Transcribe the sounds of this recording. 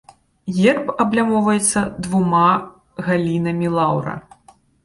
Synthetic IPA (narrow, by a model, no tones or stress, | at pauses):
ɣʲɛrpɐblʲamɔwvɐjɛt̪sːɐd̪vuma | ɣalʲinɐmʲilˠawɾɐ̰